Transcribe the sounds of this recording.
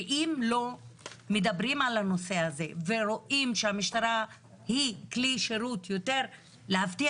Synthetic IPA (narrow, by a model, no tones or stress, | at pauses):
ʔimlo̞med̪abʁimalano̞se̞aze̞veɾo̞ʔimʃeamiʃt̪aɾa | hikliʃeɾutjo̞t̪e̞ʁ | leɦaft̪i